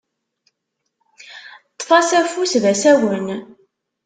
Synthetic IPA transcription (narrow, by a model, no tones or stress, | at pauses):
t̪ˤːfɑsæfusvæsæwən